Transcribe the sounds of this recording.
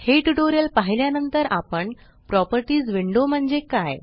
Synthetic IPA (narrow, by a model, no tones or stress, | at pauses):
heʈuʈoɾjəlpaɦiljanənt̪əɾapəɳ | pɾɔpəɾʈiːd͡zʋiɳɖom̤əɳd͡zekaj